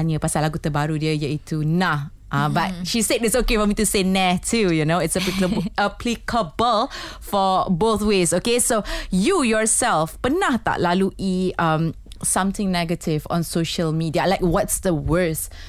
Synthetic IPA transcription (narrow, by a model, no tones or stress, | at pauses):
nəpasalaɡut̪əbaɾudiəjəitʰuna | ʔãbat̚ʃisedɪtsokefɔmitusenɛtʰujunoɪtsəplikəbʔaplikʰəbəl | fɔboθwesokesojujɔsɛlfpənaht̪a̰ʔlaluʔiãm | sãmt̪ɪ̃ŋnɛɡətʰɪvɔ̰̃nsoʃəlmidialaɪkwɔtsd̪əwɜ˞s